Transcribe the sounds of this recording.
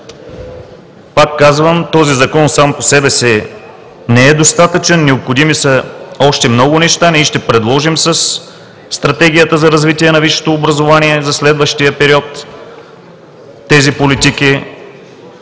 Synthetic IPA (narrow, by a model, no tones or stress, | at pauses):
pakːazvəmt̪ɔzizɐkɔnsamposɛbɛsɛ | nɛɛd̪ost̪at̪ət͡ʃɛnːɛopxod̪imisəɔʃt̪ɛmnɔɡʊnɛʃt̪aniʃt̪ɛpɾɛd̪lˠɔʒimsɐsː | t̪ɾɐt̪ɛɡ̟ijət̪əzɐɾɐzvit̪iɛnɐviʃo̥t̪oːbɾɐzovaniɛzɐslɛd̪vəʃt̪ijəpɛɾiɔt̪ | ɛzipolit̪iki